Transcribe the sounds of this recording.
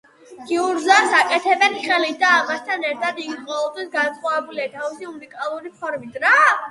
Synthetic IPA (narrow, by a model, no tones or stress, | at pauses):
ɡ̥iuɾzaɾsakʼɛt̪ʰɛbɛnχɛlid̪aːmast̪ʰanɛɾt̪ʰad̪iɡiqʼɔvɔbt̪ʰwisɡansχwavɛbuliat̪ʰavisiunikʼalˠuɾipʰɔɾmit̪ʼɾa